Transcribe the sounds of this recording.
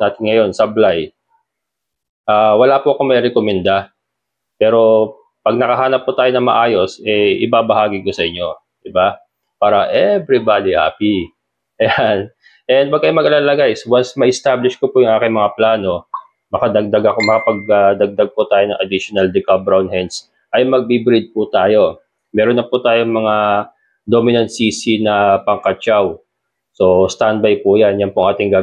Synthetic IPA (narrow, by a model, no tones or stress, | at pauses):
naːt̪ɪnŋɐjo̞nsɐblaj | ʔaːwɐlapʊʔɐko̞mɐɾɛkomɛnd̪a | pɛːɾo̞ | pɐɡ̚nɐkɐɦaːnɐpːʊt̪aːjo̞nɐŋmɐʔaːjo̞sʔɛʔɪ̰baːbɐhaːɡɪkosɐʔɪɲːo̞ | d̪̥ɪba | paːɾɐʔɛbɾibad̪iʔa̰pi | ʔɐjan | ʔɛnd̪̚pɐɡ̚kːɐjomɐɡɐlalɐɡaʔɪswansmɐʔɪst̪ablɪʃkopʊjʊŋʔaːkɪŋmɐŋaplaːno̞ | mɐkɐd̪ɐɡ̚d̪ɐɡɐkomɐkɐpɐɡ̚ɐd̪ɐɡ̚d̪aɡ̚pʊt̪aːjo̞nɐŋʔɐd̪ɪʃonɐld̪ɛkabɾawnhɛns | ʔɐjmɐɡ̚bibɾid̪̚put̪aːjo̞ | mɛːɾonːɐput̪aːjoŋmɐŋa | d̪o̞mɪnɐnt̪̚sisinɐpɐŋkɐt͡ʃaw | so̞st̪an̚bajpujanjɐnpʊʔɐŋaːt̪ɪŋɡaː